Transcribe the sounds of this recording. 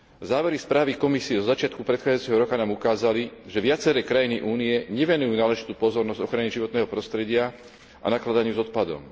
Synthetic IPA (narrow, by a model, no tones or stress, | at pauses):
zaːʋɛɾispɾaːʋikɔmisiɛzɔzat͡ʃɪat̪kupɾɛt̪xaːd͡zajut͡sɛɦɔɾɔkanaːmukaːzaliʒɛʋɪat͡sɛɾɛːkɾajiniʔuːniɛɲɛʋɛnujuːnaːlɛʒit̪uːpɔzɔɾnɔzɟɔxɾaniʒiʋɔt̪nɛːɦɔpɾɔst̪ɾɛɟɪa | ʔa̰naklad̪aɲɪuzɔt̪̚pad̪ɔ̰m